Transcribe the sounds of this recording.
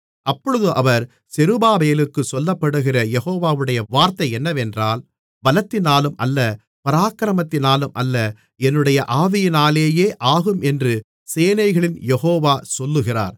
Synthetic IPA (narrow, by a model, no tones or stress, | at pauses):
ʔɐpːɔɻɯðɯʔɐʋɐɾ | sɛɾɯbaːbɐjɐlɯkːɯsɔlːɐpːɐɽɯɣɪrɐjɛɣoːʋaːʋɯɽɐjɐʋaːɾt̪ɐɪɛnːɐʋɛndraːl | bɐlɐt̪ːɪnaːlɯmʔɐlːɐ | pɐɾaːkɾɐmɐt̪ːɪnaːlɯmʔɐlːɐ | ɛnːɯɽɐjɐʔaːʋɪjɪnaːleːjeːʔaːɣɯmɛndrɯ | seːnɐɪɣɐɭɪnjɛɣoːʋaːsɔlːɯɣɪra̰ːɾ